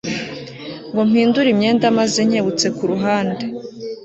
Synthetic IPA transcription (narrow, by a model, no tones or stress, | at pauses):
ŋɡo̞m̥hiːnduɾimɲe̞ːndamazeɲ̥e̞βut͡se̞kuɾuɦaːnde